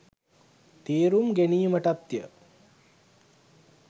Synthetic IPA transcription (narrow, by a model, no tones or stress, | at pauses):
t̪iːɾumɡenijməʈap̚t̪jə